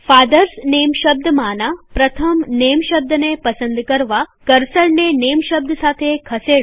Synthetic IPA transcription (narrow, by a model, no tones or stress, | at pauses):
faːd̪ɐɾsneːmʃɐb̚d̪maːnaːpɾɐt̪ʰɐmneːmʃɐb̚d̪ɐnepɐsɐnd̪ʱkɐɾʋakɐɾsɐɭneneːmʃɐb̚d̪ʱsaːt̪ʰekʰɐseːɽu